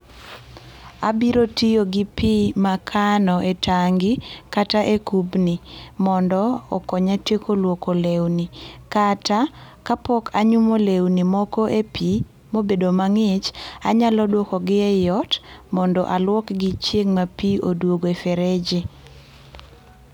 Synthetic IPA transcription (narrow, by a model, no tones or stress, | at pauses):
abiɾotijoɡɪpimakʰanɔʔetaŋɡɪkataʔekubnimɔndɔːkɔɲatekʰolwokolewnikatakapɔkʰaɲumolewnimɔkɔʔepi | mobedomaŋɪt͡ʃa̰ɲalɔdwɔkɔɡɪɛjɔtmɔndɔʔalwɔkɡɪt͡ʃjeŋmapiʔodwoɡoefɛɾɛd͡ʒɪ